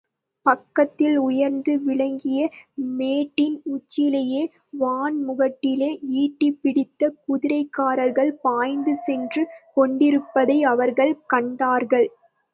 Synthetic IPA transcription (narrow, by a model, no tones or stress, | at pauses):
pɐkːɐt̪ːɪlʊjɐɾnd̪ɯʋɪɭɐŋɡɪjɐmeːʈːɪnʊt͡ʃːɪlɐjeː | ʋaːnmʊɣɐʈːɪleːiːʈːɪpːɪɽɪt̪ːɐkʊðɪɾɐɪkːaːɾɐɾɣɐɭpaːjnd̪ɯsɛndrɯkɔɳɖɪɾɯpːɐðɐɪɐʋɐɾɣɐɭkɐɳɖaːɾɣɐɭ